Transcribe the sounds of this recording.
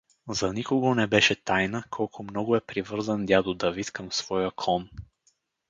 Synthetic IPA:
zɐnikʊɡonɛbɛʃɛt̪ajnəkʰɔlˠkʰomnɔɡʊɛpɾivɤɾzənd̪ʲjad̪od̪ɐvit̪kəmsv̥ɔjəkʰlˠɔn

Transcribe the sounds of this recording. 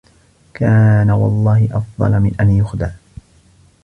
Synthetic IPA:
kaːnawɑ̰lˤːɑːhɪʔɑfd̪ˤɑ̰lmɪnʔanjʊxd̪a

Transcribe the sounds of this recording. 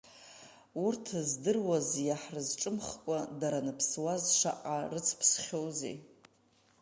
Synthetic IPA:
urtʰzdɨrwazjaħrɨzʈ͡ʂʼɨmχkʷʼadaɾanɨpʰswazʂa̰ʔʼarɨt͡sʰpʰsχʲowzḛ

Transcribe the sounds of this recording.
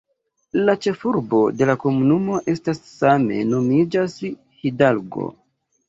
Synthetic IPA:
lat͡ʃe̞fuɾbo̞de̞lako̞munumo̞ʔe̞stasːame̞̰no̞mid͡ʒas | hidalɡo̞̰

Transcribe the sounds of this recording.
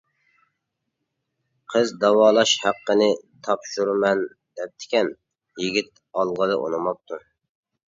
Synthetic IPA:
qʰəzd̪ɑwɑːlˠɑʃhæqːənɪt̪ʰɑpʃuɾmɛn | d̪̥ɛp̚t̪ʰɪ̥kʲɛn | jiɡʲit̪̚ | ɑlˠʁəlˠɨʔo̰nɨmɑp̚t̪ʰu

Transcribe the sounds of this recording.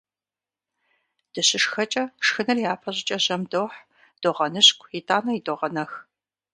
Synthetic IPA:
d̥ɨɕɪʂxɐt͡ʃʼɐʂxɨnɐrjaːpʰɐʑɪt͡ʃʼɐʑɐmdoːħ | d̥oʁɐnɨɕkʷʰʼjɪtʰʼaːnɐjidoʁɐnɐx

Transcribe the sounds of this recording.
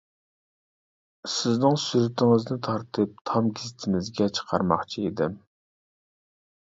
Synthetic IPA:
sɪznɪŋsyɾɪt̪ʰɪŋɪznɪt̪ʰɑɾt̪ʰɨp̚t̪ʰɑmɡʲizɪt̪ʰɪmɪzɡʲɛt͡ʃʰə̥qʰɑɾmɑ̰χt͡ʃʰiid̪ɪm

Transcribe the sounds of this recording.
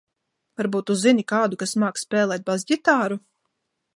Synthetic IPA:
vaɾbuːt̪ːuzinikaːd̪ukasmaːkspʲɛːlˠɛːt̪̚bazɟʲit̪aːɾu

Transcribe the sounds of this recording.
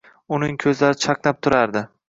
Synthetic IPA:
ʊnɪŋkʲʰɵzlaɾɪt͡ʃʰaqnap̚t̪ʰʊɾaɾd̪ɪ

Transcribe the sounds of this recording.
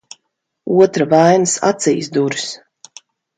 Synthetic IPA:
uɔt̪ɾavajnɨsa̰t̪sijsd̪uɾis

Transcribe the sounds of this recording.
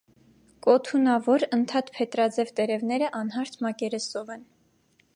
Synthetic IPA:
kʼɔt̪ʰunɑvɔɾənt̪ʰɑt̪pʰɛt̪ɾɑd͡zɛvt̪ɛɾɛvnɛɾəʔɑnɦɑɾt̪ʰmɑkɛɾɛsɔvɛn

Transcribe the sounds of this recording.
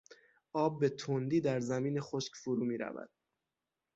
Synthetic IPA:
ʔɒːbːe̞t̪ʰond̪iːd̪æɾzæmiːnexoʃkcʲfoɾuːmiːɾæ̰væ̰d̪̥̚

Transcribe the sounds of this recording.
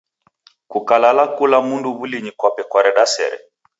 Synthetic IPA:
kukalalakulamunduβuliɲikwapɛkwaɾɛɗasɛ̰ɾɛ̰

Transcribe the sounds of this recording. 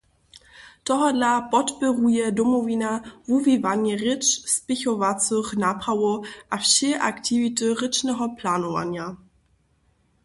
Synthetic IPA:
t̪ɔɦɔdlapɔtpɪʁujɛdɔmɔvinavuvivanɛʁɪt͡ʃspɪçɔvat͡sɨxnaːpʁavoʔafʃɛʔakt̪ivitɨʁɪt͡ʃnɛɦɔplaːnɔva̰ɲja

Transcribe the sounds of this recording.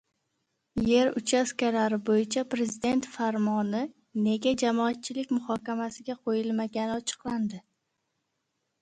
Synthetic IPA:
je̞ɾʊt͡ʃʰaskʲalaɾɪbojɪt͡ʃʰapɾe̞zɪd̪e̞nt̪faɾmɒnɪ | ne̞ɡʲad͡ʒamɒat̪̚t͡ʃʰɪlɪkʲmʊhɒkʲamasɪɡʲaqʰojɪlmaɡʲanɪɒt͡ʃʰɨ̥qlˠand̪ɪ

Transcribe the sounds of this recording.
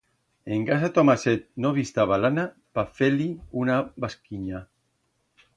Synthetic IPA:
eŋɡasat̪omaset̪̚noβist̪aβalana | pafeliunabaskiɲa

